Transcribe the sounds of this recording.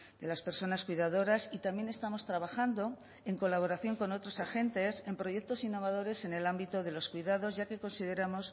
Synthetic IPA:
d̪e̞laspe̞ɾso̞naskwiðaðo̞ɾasit̪amjene̞st̪amo̞st̪ɾaβ̞axand̪o̞ | e̞ŋko̞laβ̞o̞ɾaθjo̞ŋko̞no̞t̪ɾo̞saxe̞nt̪e̞se̞mpɾo̞ʝe̞k̚t̪o̞sinːo̞βaðo̞ɾe̞se̞ne̞lambit̪oðe̞lo̞skwiðað̞o̞zʝake̞ko̞nsiðe̞ɾamo̞s

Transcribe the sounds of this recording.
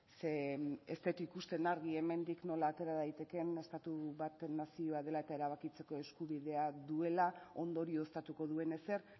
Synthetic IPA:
seest̪et̪uikust̪e̞naɾɣie̞me̞nd̪ikno̞laːt̪e̞ɾaðajt̪e̞ke̞ne̞st̪at̪uβat̪enːasio̞að̞e̞lae̞t̪ae̞ɾaβ̞akit͡se̞ko̞e̞skuβiðe̞aðue̞lao̞nd̪o̞ɾio̞st̪at̪uko̞ðue̞ne̞se̞ɾ

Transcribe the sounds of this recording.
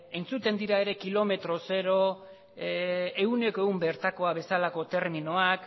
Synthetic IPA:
e̞nt͡sut̪e̞nd̪iɾae̞ɾe̞kilo̞me̞t̪ɾo̞se̞ɾo̞ | e̞une̞koeɣumbe̞ɾt̪ako̞aβe̞salako̞t̪e̞ɾminoak

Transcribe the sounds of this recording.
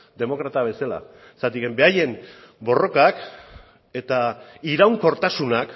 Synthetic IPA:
d̪e̞mo̞kɾat̪aβe̞sala̰ | sat̪ike̞mbe̞aje̞n | bo̞ro̞kak | e̞t̪aiɾawŋko̞ɾt̪asunak

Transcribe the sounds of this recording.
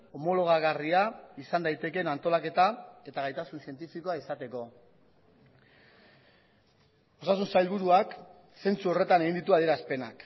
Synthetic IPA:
o̞mo̞lo̞ɣ̞aɣariaisand̪ajt̪e̞ke̞nant̪o̞lake̞t̪ae̞t̪aɣajt̪asunsie̞nt̪ifiko̞aisat̪e̞ko̞ | o̞sasunsajlβuɾuak | se̞nt͡suo̞re̞t̪ane̞ɣind̪it̪uaðieɾaspe̞nak

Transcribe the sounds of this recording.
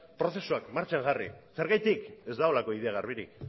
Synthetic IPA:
pɾo̞θe̞suakmaɾt͡ʃaŋʝarḭse̞ɾɣajt̪ike̞zd̪ao̞lako̞iðe̞aɣ̞arβiɾik

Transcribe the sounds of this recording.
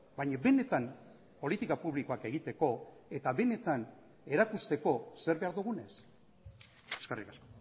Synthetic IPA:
bajɲabe̞ne̞t̪am | po̞lit̪ikapuβliko̞ake̞ɣ̞it̪e̞ko̞e̞t̪aβe̞ne̞t̪an | e̞ɾakust̪e̞ko̞se̞ɾβe̞aɾðuɣ̞une̞s | eskarikasko̥

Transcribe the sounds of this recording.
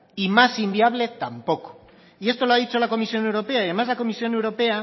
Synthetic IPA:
imasimbiaβ̞le̞t̪ampo̞ko̥ | ie̞st̪o̞loaðit͡ʃolako̞misjo̞newɾo̞peaðemazlako̞misjo̞ne̞wɾo̞pe̞a

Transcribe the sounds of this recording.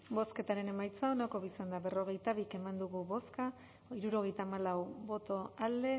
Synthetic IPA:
bo̞ske̞t̪aɾe̞ne̞majt͡saonako̞βisand̪aβe̞ro̞ɣ̞e̞jt̪aβike̞mand̪uɣuβo̞ska | iɾuɾo̞ɣ̞e̞jt̪aːmalawbo̞t̪o̞ald̪e̞

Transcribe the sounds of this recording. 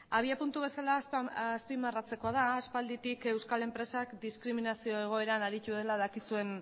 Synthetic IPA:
aβ̞iapunt̪uβe̞salasspimarat͡se̞ko̞að̞aːspald̪it̪ike̞wskale̞mpɾe̞sakd̪iskɾiminasio̞e̞ɣ̞o̞e̞ɾanaɾit̪uðelaðakisue̞n

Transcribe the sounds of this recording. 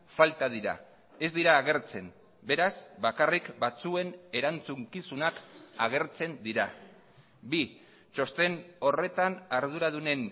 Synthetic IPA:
falt̪að̞iɾa̰ | e̞zd̪iɾaːɣ̞e̞ɾt͡se̞n | be̞ɾasbakarikbat͡sue̞ne̞ɾant͡suŋkisunakaɣ̞e̞ɾt͡se̞nd̪iɾa | bi | t͡ʃo̞st̪e̞no̞re̞t̪anaɾð̞uɾað̞une̞n

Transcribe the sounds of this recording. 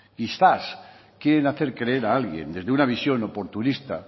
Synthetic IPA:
kiθas | kjeɾenaθe̞ɾkɾe̞eɾaalɣje̞̰nd̪e̞zðeunaβ̞isjo̞no̞po̞ɾt̪unist̪a̰

